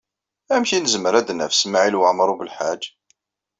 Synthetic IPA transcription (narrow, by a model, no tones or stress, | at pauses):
æmçinəzməɾæd̪næfsmaʕilwəʕmɾˤubəlħad͡ʒ